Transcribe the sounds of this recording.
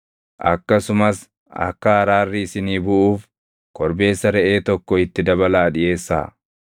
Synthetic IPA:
ʔɐ̰kːɐsʊmɐs | ɐ̰kːɐhɐɾaːrːɪɪsɪniːbʊʔuːf | kɔɾbe̞ːsːɐɾɛʔe̞ːt̪ɔkːɔɪt̪ːɪd̪ɐβɐlaːᶑɪje̞ːsːa̰ː

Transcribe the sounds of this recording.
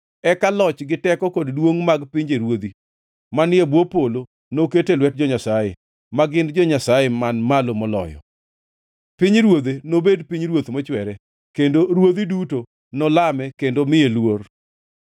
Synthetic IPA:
ɛkalɔt͡ʃɡɪtɛkɔkoddwoŋmaɡpɪɲd͡ʒeɾwod̪i | manɪebwopolo | noketelwɛt̚d͡ʒɔɲasaje | maɡɪndd͡ʒɔɲasajemanmalomɔlɔ̰jɔ̰ | pɪɲɾwod̪enobedpiɲɾwot̪mot͡ʃwɛɾɛ | kendoɾwod̪iduto | nɔlamɛkendomɪelwor

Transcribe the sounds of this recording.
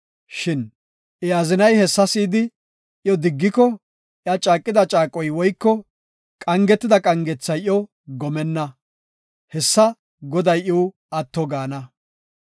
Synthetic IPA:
ʃɪn | ʔɪazɪnɐjhɛsːɐsiːd̪ɪ | ʔjɔd̪ɪɡːɪkɔ | ʔjɐt͡ʃʼaːkʼːɪd̪ɐt͡ʃʼaːkʼːɔjwɔjkːɔ | kʼɐŋɡɛt̪ːɪd̪ɐkʼɐŋɡɛt͡sːɐjjɔ | ɡɔmɛnːɐ | hɛsːɐ | ɡɔd̪ɐjʔɔw | ɐt̪ːɔɡaːnɐ

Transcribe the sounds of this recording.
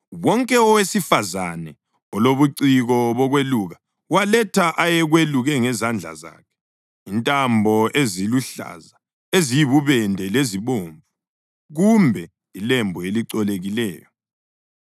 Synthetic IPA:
wɔŋkʼɛɔwesifaza̰nɛ | ɔloβuǀiɣɔβɔɣweluːɣa | walɛtʰaʔajɛɣweluɣɛŋɛzand͡ɮʱa̰za̰ːkʰɛ̥ | intʼambʱɔʔeziluɬa̰za | ezijiβuβɛndʱɛleziβoːɱvu | ɣumbʱɛ | ilembʱueliǀɔleɣilɛ̰ːjɔ

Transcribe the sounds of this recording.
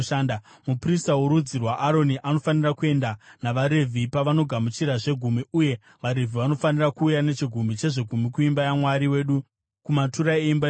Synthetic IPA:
ʃaːnda | mupristawuɾud͡zirwaʔaɾo̞niʔano̞fanirakue̞ndanaʋaɾe̞vʱipaʋano̞ɡʱamut͡ʃiɾaʐe̞ɡʱumiuje̞ | ʋaɾe̞vʱiʋano̞fanirakuːjane̞t͡ʃiɡʱumit͡ʃe̞ʐe̞ɡʱumikuimbajamwaɾiwe̞ːɗu | kumatuɾaeimba

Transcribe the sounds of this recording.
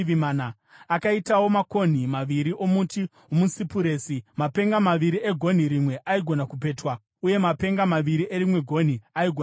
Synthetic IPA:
ʋmaːna | akaitawo̞mako̞n̤imaʋiɾiʔo̞muti | omusipuɾe̞ːsimape̞ŋɡamaʋiɾie̞ɡʱo̞n̤iɾimwe̞ʔaiɡʱo̞nakup̬e̞ːtwa | uje̞mape̞ŋɡamaʋiɾiʔeɾimwe̞ɡʱo̞n̤iaiɡʱo

